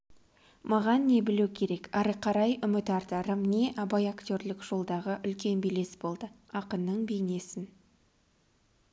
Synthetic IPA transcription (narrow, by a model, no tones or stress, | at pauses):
mɑʁɑnːe̞bɪluwkʲʰe̞ɾe̞kɑɾəqʰɑɾɑjʔʏmɪt̪ɑɾt̪ɑɾəmne̞ʔɑbɑjakt̪ʲo̞ɾlɪkʒ̥o̞lˠd̪ɑʁəʔʏlkʲe̞nbele̞sbo̞lˠd̪ə | ɑqənːəɴbejne̞sɪn